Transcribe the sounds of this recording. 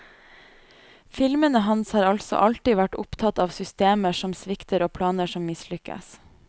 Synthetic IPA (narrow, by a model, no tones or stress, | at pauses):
fɪlmənəɦɑnshɑːɾɑlsɔ̰ʔɑlʈ̪iːʋæʈʊ̰pt̪ʰɑt̪ɑːʋsʏst̪eːməʂɔmsʋɪkt̪əɾoːpʰlɑːnəʃɔmːɪslʏkə̰s